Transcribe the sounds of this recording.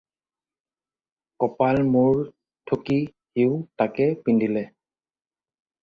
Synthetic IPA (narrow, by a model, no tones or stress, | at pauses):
kɔpalmuɹ | tʰoki | hiʊtakɛpindilɛ